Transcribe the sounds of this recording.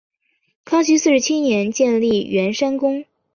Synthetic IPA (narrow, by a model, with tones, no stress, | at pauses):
kʰɑ˥ŋt͡ɕy˧˥sɹ̩˥˩ʂɻ̩˧˥t͡ɕʰi˥njɛ˧˥nt͡ɕjɛ˥˧nli˥˩ɥɛ˧˥nʂa˥nkʊ˥ŋ